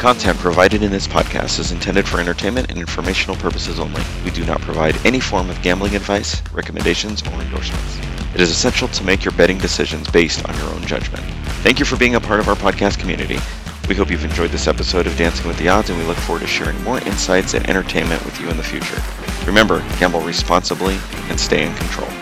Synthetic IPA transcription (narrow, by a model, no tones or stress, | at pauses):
kʰɑ̃ntʰɛ̃npʰɹ̥ɨvaɪɾɨɾɨ̃nðɪspʰɑ̰d̚kʰæ̰stɨzɨ̃ntʰɛ̃ndɨd̥fə˞ɛ̃ɾ̃ə˞tʰẽɪ̃nmɨ̃ñɨ̰̃nɪ̃nfə˞meɪʃn̩l̩ˠpʰɜ˞pəsəzõʊ̃nlḭwidɨnə̰t̚pʰɹ̥ɨvaɪɾɛñifɔɹmʌvɡæ̃mblˠɪ̃ŋɨdvaɪsɹɛkəmɨ̃ndeɪʃɨ̃nzə̰˞ɨ̃ndɔ̰ɹsmɨ̰̃nts | ɨɾɨzɨsɛ̃nʃl̩ˠtʰəmeɪkjə˞bɛɾɪ̃ŋdɨsɪʒɨ̃nzbeɪstn̩jə̰˞õ̰ʊ̃nd͡ʒʌ̰d͡ʒmɨ̰̃n | θæ̃ŋkjɨfə˞biɪ̃ŋəpʰɑɹɾʌvaʊə˞pʰɑd̚kʰæskʰm̩jʉ̰nɨ̰ɾḭ | wiɦoʊpjʉvɨ̃nd͡ʒɔɪd̪̚ðɪsɛpəsoʊɾʌvdæ̃nsɪ̃ŋwɨðiɑdzɨ̃nwilʊkfɔɹwə˞ɾtʰɨʃɛ̰ɹɪ̰̃ŋmɔɹʔɪ̰̃nsaɪtsɨ̰̃nʔɛ̰̃ɾ̃ə˞tʰẽɪ̃nmɨ̰̃nʔwɨ̰ðjɨɨ̃nðɨfjʉ̰t͡ʃə̰˞ | ɹɨmɛ̃mbə˞ɡ̥æ̃mbl̩ˠɹispɑ̃nsəbli | ʔɨ̃nsteɪɨ̃nkʰntʰɹ̥o̰ʊlˠ